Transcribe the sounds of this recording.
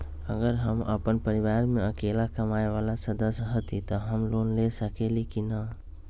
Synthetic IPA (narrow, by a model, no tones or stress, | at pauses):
əɡəɾɦəmə̰pənpəɾiʋaɾmeəkelakəmaeʋalasəd̪əsjɦət̪it̪ɔɦəmlonlesəkelikina